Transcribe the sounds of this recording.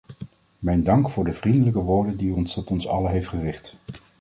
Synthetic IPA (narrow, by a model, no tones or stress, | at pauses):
mɛjndɑŋkfʊːɹdəvrindələkəʋʊːɹdəndiɔnstɔtɔnsɑ̰ləɦejftχərɪχt